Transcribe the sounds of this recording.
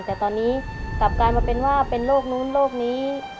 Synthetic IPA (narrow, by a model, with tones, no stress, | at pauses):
ŋt̪ɛː˨˩t̪ɔː˧nːiː˦˥ka˨˩p̚kaː˧jmaː˧pe˧nwaː˥˩pe˧nloː˥˩k̚nuː˦˥nloː˥˩k̚niː˦˥